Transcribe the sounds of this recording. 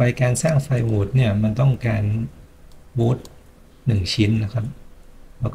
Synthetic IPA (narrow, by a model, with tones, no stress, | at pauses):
pa˧jkaː˧nsaː˥˩ŋfa˧jwuː˨˩t̪̚ni˥˩ɐma˧nt̪ɔ˥˩ŋkaː˧n | wuː˦˥t̪̚ | nɯ˨˩ŋt͡ɕʰi˦˥nːa˦˥kʰa˦˥p̚lɛː˦˥wkː